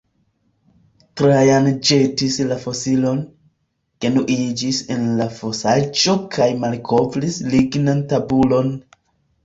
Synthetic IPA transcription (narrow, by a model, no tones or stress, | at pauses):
tɾajand͡ʒe̞tislafo̞silo̞n | ke̞nuʔid͡ʒise̞nlafo̞sad͡ʒo̞kʰajmalkʰo̞vlisliɡnantabulo̞n